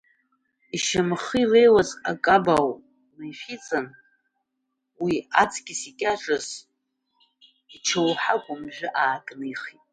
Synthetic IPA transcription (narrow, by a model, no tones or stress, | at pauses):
iʃamχirejwaza̰kʼabaw | najħit͡sʼan | wiat͡sʼʰɡʲɪsikʲʼaʈ͡ʂʼɨz | it͡ʃʰawħakʷʼʊmʒᶣʷɪʔaːkʼnɨjχitʼ